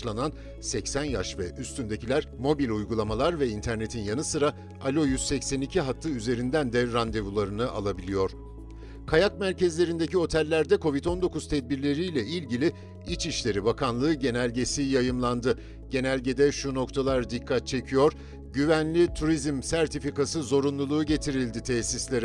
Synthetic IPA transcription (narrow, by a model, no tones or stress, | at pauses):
lˠanan | sɛcsænjaʃvɛʔyst̪ʰynd̪e̞cʰilʲæɾmo̞bilʲujɡulˠamalˠaɾvɛint̪ʰæɾne̞t̪ʰinjanɯsɯɾa | alʲo̞jyz̥sɛcsenicʰiɦaklˠɯyze̞ɾind̪ænd̪ɛɾand̪e̞vulˠaɾɯnɯʔa̰lˠabilʲijo̞ɾ̥ | kʰajak̚mæɾcɛzlʲe̞ɾind̪e̞cio̞t̪ʰɛlʲːæɾd̪ɛkʰo̞vit̪ʰo̞nd̪o̞kuz̥t̪ʰɛd̪̚biɾlʲe̞ɾijlʲɛilʲɟilʲi | it͡ʃiʃlʲe̞ɾibakʰanlˠɯːɟe̞nælʲɟe̞sijajɯmlˠand̪ɯ | ɟ̥e̞nælʲɟe̞d̪ɛʃuno̞kt̪ʰalˠaɾd̪ikʰːat̪̚t͡ʃʰe̞cʰijo̞ɾ | ɟyvænlʲit̪ʰuɾizmsæɾt̪ʰifikasɯzo̞ɾunlˠulˠuːɟe̞t̪ʰiɾilʲd̪it̪ʰɛsislʲeɾɛ